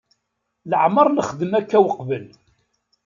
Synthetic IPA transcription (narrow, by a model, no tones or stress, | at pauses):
ləʕməɾˤnəχəd̪əmækːæwəqvəl